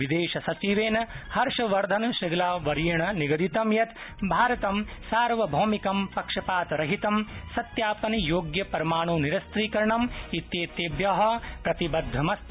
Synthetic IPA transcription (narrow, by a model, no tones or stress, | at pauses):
ʋid̪eːʃɐsɐt͡ʃiʋeːnɐhɐɾʂɐʋɐɾd̪ʱɐnʃɐɡɐlaːʋɐɾijɐɳɐniɡɐd̪it̪ɐmjɐt̪ | bʱaːɾɐt̪ɐmsaːɾʋɐbʱoːmikɐmpɐkʂɐpaːt̪ɾɐɦit̪ɐmsɐt̪jaːpɐnjoːɡjɐpɐɾɐmaːɳuːniɾɐst̪ɾiːkɐɾɐɳɐmit̪jeːt̪eːbjɐɦɐ̆pɾɐt̪ibɐd̪ʱːɐmɐs